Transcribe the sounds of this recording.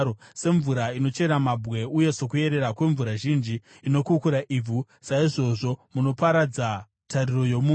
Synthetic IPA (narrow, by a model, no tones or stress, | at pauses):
ose̞ɱvuɾaino̞t͡ʃe̞ɾamabʱɣe̞uje̞so̞kue̞ɾe̞ɾakwe̞ɱvuɾaʒind͡ʒiː | no̞kukuɾaʔib͡vʱu | saiʐo̞ʐo̞muno̞paɾad͡za | taɾiro̞jo̞mu